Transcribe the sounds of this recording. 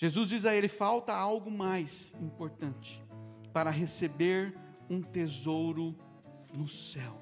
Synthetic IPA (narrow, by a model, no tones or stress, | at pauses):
ʒ̥ezuzd͡ʒizɐelɪfawt̪ɐawɡʊmajsĩmpoɾt̪ɐ̃nt͡ʃɪ̥ | paɾɐɦesebeɾ | ũt̪ezowɾʊ | nʊsɛw